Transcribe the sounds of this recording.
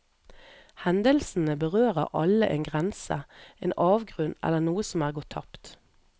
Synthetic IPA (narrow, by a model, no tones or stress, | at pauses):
hɛnd̪əlsn̩əbəʁøːʁəʁʔɑləʔeːnɡʁɛnsə̰ʔḛːnʔɑːʋɡʁʉnɛ̰lːənuːəsɔmæːʁɡɔːt̪ʰɑpt̪